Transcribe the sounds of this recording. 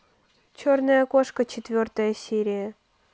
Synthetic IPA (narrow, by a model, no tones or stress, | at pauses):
t͡ɕornəjəkoʂkət͡ɕɪt̪vʲort̪əjəsʲiɾʲɪjə